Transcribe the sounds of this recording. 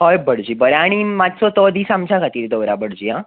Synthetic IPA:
ɦɔjbəɽd͡ʑiːbəɾaaɽ̃imat̪sɔt̪ɔd̪iːsamt͡ɕaɡʱat̪iːɾd̪əwɾabəɽd͡ʑiːɦã

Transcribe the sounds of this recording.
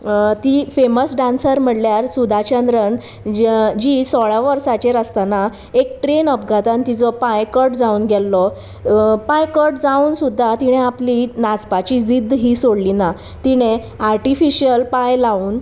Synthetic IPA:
t̪ifeməsɖãnsəɾm̤əɽljaɾsud̪ʱat͡ɕənd̪ɾəɳ | d͡ʑisɔɭaʋəɾsat͡ɕeɾəst̪ana | ek̚ʈɾenəpɡʱat̪ənt̪it͡sɔpãjkəʈd͡zauːnɡʱɛlːɔ | pajkəʈd͡zauːnsud̪ʱːat̪iɽ̃ẽaplinat͡spat͡ɕid͡zid̪ʱːɦiːsoɽlina | t̪iɽ̃ẽ | aɾʈifiɕijəlpajlauːn

